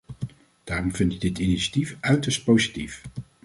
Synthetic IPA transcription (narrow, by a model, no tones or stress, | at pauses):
d̥aːrɔmvɪntɪɡ̚dɪtiniʃatifœɥtəɹst̚powzitif